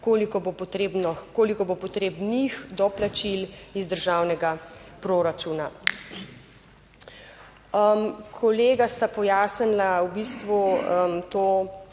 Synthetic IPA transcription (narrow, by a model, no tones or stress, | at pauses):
koːlikɔbopɔt̪ɾeːbnɔkoːlikɔbopɔt̪ɾeːbnixd̪ɔplat͡ʃilizd̪əɾʒaːwnɛɡapɾoːɾat͡ʃuːna | mkʰɔleːɡast̪apɔjaːsənlawbist̪ʋumt̪oː